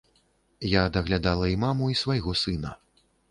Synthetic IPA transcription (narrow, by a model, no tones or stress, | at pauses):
jaːd̪ɐɣlʲad̪alˠɐimamuisvajɣɔsɨnɐ̰